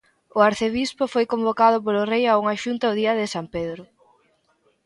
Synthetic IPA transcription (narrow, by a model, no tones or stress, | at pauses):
ʊaɾθeβispofojkombokað̞ʊp̬olʊrejauŋaʃunt̪aoðiɐðɪsampeðɾʊ